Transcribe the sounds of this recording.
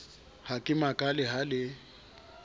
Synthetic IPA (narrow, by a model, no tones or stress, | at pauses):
hakʼɪmakʼalɪɦalɪ